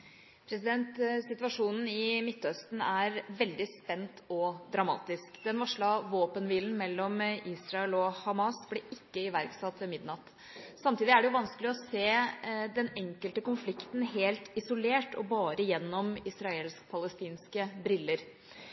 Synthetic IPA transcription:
pʰɾɛsɪd̪ɛnt̪sɪt̪ʋɑʂuːnn̩ɪmɪt̪ːœst̪n̩æɾʋɛld̪ɪspɛnt̪ʰɔd̪ɾɑmɑ̰ːt̪ɪskd̪ɛnʋɑʂɭɑʋoːpənʋiːln̩mɛlːɔmʔiːsɾɑɛlɔhɑmɑsblɛʔɪkːəɪʋæɾɡsɑt̪ːʋɛmɪd̪nɑt̪ː | sɑmt̪iːd̪ɪæɖɛjʊʋɑnskəlɪɔseːd̪ɛnɛŋkəlt̪əkʊnflɪkt̪n̩heːlt̪ɪsɔleːʈɔbɑːɾəjɛnːɔmɪsɾɑeːlskpʰɑləst̪iːnskəbɾɪlːəɾ

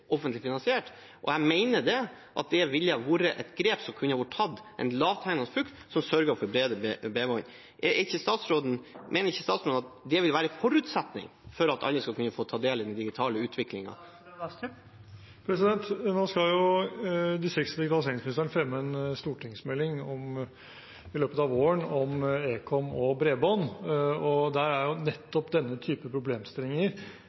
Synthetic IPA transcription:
ʔɔfənt̪lɪfɪnɑnsɪeːʈ | ʔɔ̰æmæɪnəɖɛ | ʔɑ̰t̪̚d̪ɛʋɪlːjɑʋuːɾəʔɛt̪ɡɾeːpsɔmkʰʉnːəɾʋɔʈːʰtʰɑd̪ʔɛ̰nlɑːʋt̪ʰæɪŋnɑsflʉkt̪sɔmsœɾɡəɾfɔɾbɾeːd̪əbeːʋɔn | ʔɛɪçːəst̪ɑːt̪sɾoːd̪n̩mʔeːnəɾɪçːəst̪ɑːt̪sɾoːd̪ɑt̪d̪ɛʋɪlʋæːɾəfɔɾʉːt̪sɛt̪nɪ̰ŋ | fɔɾɑt̪ɑ̰lːəskɑlkʰʉnːəfoːt̪ʰɑːd̪eːlɪd̪ɛnd̪ɪɡɪt̪ʰɑːləʉːt̪ʰʋɪklɪŋɑ̰ | pʰɾɛsɪd̪ɛnt̪noːskɑljʊ | d̪ɪsəɾɪksəd̪ɪɡɪt̪ɑlɪseːɾɪŋsmɪnɪst̪əɳəfɾɛmːəɛnst̪uːʈʰɪŋsmɛlɪŋɔm | ɪløːpət̪ɑːʋoːəɳɔmeːkʰɔmɔbɾeːbɑnɔd̪æɾæɾjʊnɛt̪ːɔpd̪ɛnːət̪ʰyːpəpʰɾʊbleːmst̪ɪlːɪŋəɾ

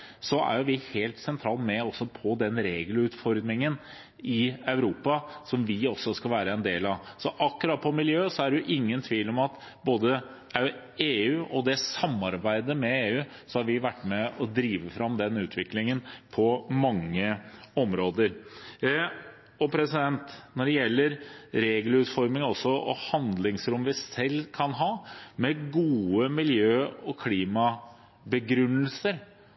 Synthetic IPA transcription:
sɔæ̰ɾjʊʋɪheːlt̪sɛnt̪ʰɾɑːlmɛɔsːɔpʰɔd̪ɛnɾeːɡlʉːt̪fɔɾd̪ɾɪŋən | ɪœʉɾuːpɑsɔmʋɪɔsːɔskɑʋæːɾəɛnd̪eːlɑʋsɔʔɑkːʉɾɑt̪̚pʰɔmɪljøːsɔæɖʉʔɪŋːənt̪ʰʋiːlɔmɑt̪ | boːd̪ə | eːʉːʔɔd̪ɛsɑmːɑɾbæɪd̪əmɛeːʉː | sɔhɑɾʋɪʋæʈːmɛɔd̪ɾiːʋəfɾɑmd̪ɛnʉːt̪ʰʋɪklɪŋənpʰɔmɑŋːəɔmɾoːd̪əɾ | ɔpʰɾɛsɪd̪ɛnt̪nɔɖɛjɛlːəɾɾeːɡəlʉːt̪fɔɾmɪŋɔsːɔɔ̰hɑnd̪lɪŋsɾʊmʋɪsɛlːkʰɑnɦɑːmɛɡuːəmɪljøːɔkʰliːmɑ | bəɡɾʉnːəlsəɾ

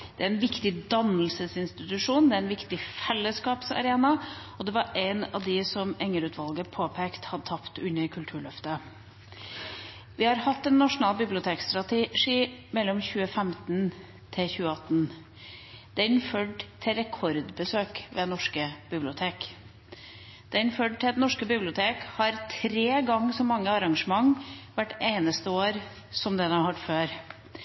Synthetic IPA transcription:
d̪̥ɛæɾɛnʋɪkt̪ɪd̪ɑnlsəsɪnst̪ɪt̪ʉʂuːnd̪ɛæɾɛnʋɪkt̪ɪfɛlːəskɑːpsɑ̰ɾeːnɑ | ɔd̪ɛʋɑɾeɪnɑ̰ʋd̪ɪsɔmɛŋːəɾʉːt̪ʰʋɑlɡəpʰoːpʰeːkt̪hɑd̪ət̪ʰɑpt̪ʉɲːəɾkʰʉlt̪ʰʉːɭœft̪ə | ʋɪhɑɾhɑt̪ːɛnːɑʂʊnɑːlbɪblɪʊt̪ʰeːkst̪ɾɑt̪ʰɪʂiːmɛlːɔmçʉːəfɛmt̪n | t̪ʰɪçʉːəɑt̪ːn | d̪̥ɛːɪnføːɖt̪ʰɪɾɛkʰɔɾd̪bəsøːkʋɛnɔʂkəb̥ɪblɪʊt̪ʰeːk | d̪̥ɛːɪnføːɖ̚t̪ʰɪd̪nɔʂkəbɪblɪʊt̪ʰeːkhɑɾt̪ʰɾeːɡɑŋːsɔmːɑŋːəɑɾɑŋʂəmɑŋʋæʈːeɪnəst̪əoːɾ | sɔmd̪ɛd̪ɛɑhɑʈføːɾ

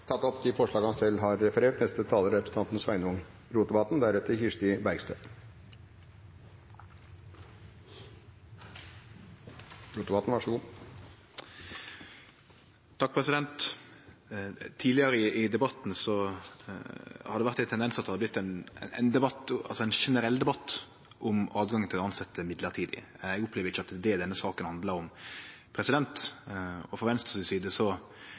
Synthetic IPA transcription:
t̪ʰɑt̪ːɔpt̪ɪfɔʂɭɑːɡhɑnsɛlɦɑɾːɛfəɾeːʈnɛst̪ət̪ʰɑːləɾɾɛpɾəsn̩t̪ɑnt̪n̩sʋæ̰ɪnəʊŋ | ɾuːt̪əbɑt̪n̩d̪æɾʉt̪əçɪʂʈɪbæɾɡst̪øː | ɾuːt̪bɑt̪n̩ʋɑʂəɡuː | t̪ʰɑk̚pʰʁɛsɪd̪ɛnt̪ | t̪ʰiːlɪəɾəɪʔɪd̪ɛbɑt̪n̩sɔ | hɑd̪ɛʋæɾt̪ːɛnt̪ɛnd̪ɛnsɑt̪ːhɑd̪blɪt̪ːæn̰ɛ̰nd̪ɛbɑt̪ːɑ̰lsɔɛɪnʂɛnəɾɛlːd̪ɛbɑt̪ː | ʔʊmɑːd̪ɡɑŋːənʰɪlɔɑnsɑt̪ːəmɪd̪ləʁt̪ʰiːd̪ɪ̰ | ɛɡʊpleːʋəɾɪçːɑt̪d̪ɛd̪ɛnːəsɑːkənhɑnd̪lɑɾʊm | pʰɾɛsɪd̪ɛnt̪ | ɔfɔʁʋɛnst̪ɔsɪnsiːd̪əsɔ

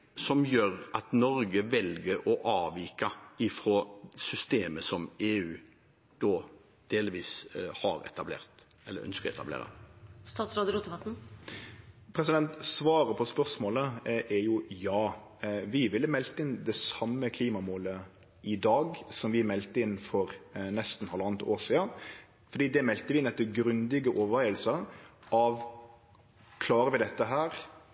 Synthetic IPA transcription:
sɔmjøːɾʔɑt̪nɔɾɡəʋɛlɡəɾɔʔɑːʋiːkɑɪfɾoːsʏst̪eːməsɔmeːʉː | d̪̥oː | d̪̥eːlʋiːshɑɾɛ̰t̪ɑblḛːʁt̪ | ɛlə̰ɾœ̰nskəɾɛ̰t̪ɑblḛːɾə̰st̪ɑːt̪sɾɑːd̪əɾɔt̪ːəpɑt̪n̩ | pʰɾɛsɪd̪ɛnt̪sʋɑːɾəpʰɔspœʁsmoːləʔɛɾjʊjɑː | ʋɪʋɪlːəmɛlt̪əɪnd̪ɛsɑmːəkʰliːmɑmoːlə | ɪd̪ɑːɡsɔmʋɪmɛlt̪əɪnfɔɾnɛst̪n̩hɑlɑnət̪ʰoːsiːən | fɔɾd̪iːd̪ɛmɛlt̪əʋɪnɛt̪ːɔɡɾʉnd̪ɪɡəʔɔːʋəɾʋæɪəlsəʔɑʋ | kʰlɑːɾəʋɪd̪ɛt̪ːəɦæːɾ

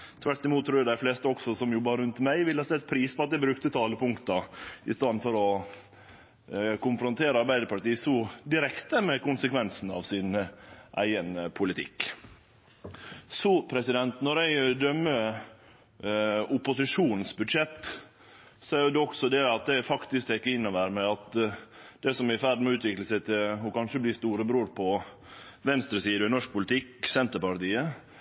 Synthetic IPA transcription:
t̪ʰʋæʈːɪmuːt̪ʰːɾuːjʊd̪æɪfleːst̪əɔksɔsɔmjʊbɑːɾəɾʉnt̪mæɪʋɪlːhɑsɛlt̪̚ːpʰɾiːspɔɑt̪̚d̪ɛbɾʉkt̪ət̪ʰɑːləpʰʊŋkt̪ɑɪst̪ɑnnfɔɾɔ | kʊnfɾʊnt̪ʰeːɾəɑɾbæɪd̪əɾpɑʈiːsɔd̪ɪɾɛkt̪əmɛkʊnsəkʋɛnsn̩ɑ̰ʋsɪnʔæ̰ɪənpʰʊlɪt̪ʰɪ̰kː | sɔpʰɾɛsɪd̪ɛnt̪nɔɾæɪd̪œmːə | ʊpʊsɪʂuːnn̩sbʉd̪ʂɛt̪ː | sɔæɾjʊd̪ɛɔksɔd̪ɛɑt̪̚d̪ɛfɑkt̪ɪsk̚t̪ɛɪkːəɪnːɔʋæɾmɛɑt̪ | d̪ɛsɔmæɾɪfæɾɖ̪mɛʉːt̪ʰʋɪkləsɛɪt̪ʰɪhʊkɑnʂəblɪst̪uːɾəbɾoːɾpʰɔ | ʋɛnst̪ɾəsiːd̪əɪnɔʂk̚pʊlɪt̪ɪksɛnt̪əɾpɑɾt̪iːə

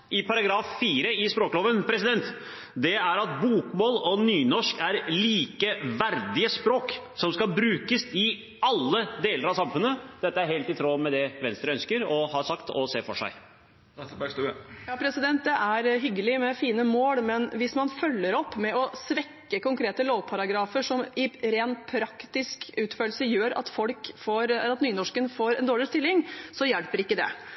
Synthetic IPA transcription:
ɪpʰɑɾɑɡɾɑːfːiːɾəɪspɾoːklɔːʋənpʰɾɛsɪd̪ɛnt̪ | d̪ɛæɾɑt̪̚buːkmoːlɔnyːnɔʂkæɾliːkəʋæɾd̪ɪəspɾoːksɔmskɑbɾʉːkəsɪ | ɑlːəd̪eːləɾɑsɑmfʉnːəd̪̥ɛt̪ːəæɾheːlt̪ɪt̪ʰɾoːmɛd̪ɛʋɛnst̪ɾəœnskəɾɔhɑːsɑkt̪ʰɔ̰seːfɔʂæ̰ɪ | jɑːpʰɾɛsɪd̪ɛnt̪̚d̪ɛʔæɾɦʏɡːəlɪmɛfiːnəmoːɽmɛnʋɪsmɑnfœlːəɾɔpːmɛɔsʋɛkːəkʊŋkʰɾeːt̪əloːʋpʰɑɾɑɡɾɑːfəʂɔmɪɾeːnt̪pʰɾɑkt̪ɪskʉːt̪føːl̩səjøːɾɑ̰t̪fɔlkfoːɾɑt̪nyːnɔʂkənfoːɾɛ̰nd̪oːɭɪst̪ɪlːɪŋsɔjɛlpəɾɪkːəd̪ɛ̰

